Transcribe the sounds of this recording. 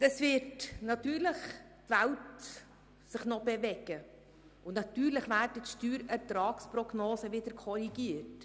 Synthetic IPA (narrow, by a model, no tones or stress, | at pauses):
dəsvɪɾtnɑt̪yːɾləχ | tvælt | sɪχnɔbɛvɛɡ̥ə | ʊnnɑt̪yːɾləχʋæːɾdətʃtyːɾɛɾtɾɑːksprɔɡnoːsəʋɪd̥̪əɾkʰɔɾiɡ̥iət